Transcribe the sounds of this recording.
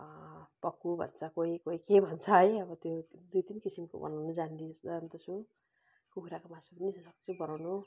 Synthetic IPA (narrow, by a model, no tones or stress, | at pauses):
pʌkːubʱʌ̰nt͡sʰʌkoikoikebʱʌnt͡sʰʌɦʌjʌbʌt̪jod̪ujt̪inkisimko̰bʌ̰nawnud͡zand̪isd͡zand̪ʌsu | kukʰuɾakomasubʌnissʌkt͡sʰubʌnawnu